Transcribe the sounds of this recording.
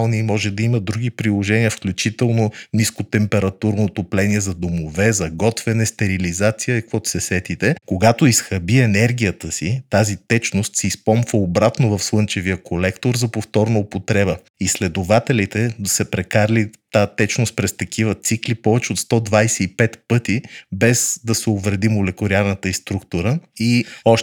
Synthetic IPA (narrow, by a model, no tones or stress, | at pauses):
lˠnimɔʒɛd̪ɐiməd̪ɾuɡipɾilˠoʒɛniəfklʲut͡ʃit̪ɛlˠnoniskot̪ɛmpɛɾɐt̪uɾnoːt̪oplɛniɛzɐd̪omovɛzɐɡɔt̪vɛnɛst̪ɛɾilizat̪sijəkvɔt̪sɛsɛt̪it̪ɛkoɡat̪oisxɐbiɛnɛɾɡʲijət̪əsit̪azit̪ɛt͡ʃnost̪siːspɔmfəobɾat̪nʊvɐfslˠɤnt͡ʃɛvijəkolɛkt̪oɾzɐpoft̪ɔɾnɐopot̪ɾɛbə | islɛd̪ovat̪ɛlit̪ɛd̪ɐsɛpɾɛkaɾlit̪at̪ɛt͡ʃnost̪̚pɾɛst̪ɐk̟ʰivət̪siklipɔvɛt͡ʃɛot̪st̪ɔd̪vajsɛipɛt̪pɤt̪ibɛzd̪ɐsɛovɾɛd̪imolɛkoɾiaɾnət̪əist̪ɾukt̪ʊɾəiɔʃ